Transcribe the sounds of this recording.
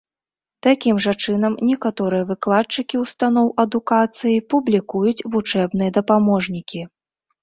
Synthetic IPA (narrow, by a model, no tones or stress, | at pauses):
t̪akʲimʐat͡ʂɨn̪ɐmnʲɛkat̪ɔɾɨjɐvɨklˠat̚t͡ʂɨkʲiwst̪anɔwʔɐd̪ukat̪sɨjipublʲikujut͡sʲvut͡ʂɛbnɨjɐd̪ɐpamɔʐnʲikʲi